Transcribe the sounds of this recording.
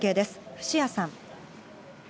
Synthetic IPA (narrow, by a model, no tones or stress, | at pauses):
ke̞ːd̪e̞sɨ̥ɸɯ̟̥ɕijasãŋ